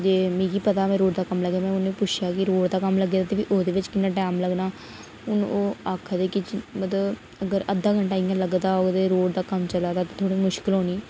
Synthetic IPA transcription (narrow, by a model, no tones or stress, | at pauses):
d͡ʒeːmĩːkiːpət̪aːmɛ̃ːɾoːɽd̪aːkəmləɡjaːmɛ̃ːʊnːpʊt͡ʃʰjaːkɪɾoːɽd̪aːkəmləɡeːd̪aːt̪eːʋiʔoːd̪eːʋɪt͡ʃkɪnːãːʈɛːmləɡnaː | ʊn̰ːoːaːkʰːd̪eːkɪt͡ʃmət̪ləb | əɡəɾəd̪aːɡəɳʈaːijãːləɡd̪aːoɡt̪eːɾoːɽd̪aːkəmt͡ʃəlaːd̪aːt̪eːt̪ʰoːɽiːmʊʃkɪlɦoːniː